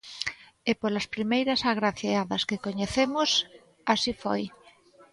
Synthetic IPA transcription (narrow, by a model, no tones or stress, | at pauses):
epolaspɾimejɾasaɣɾaθeaðaskekoɲeθemos | asifo̰j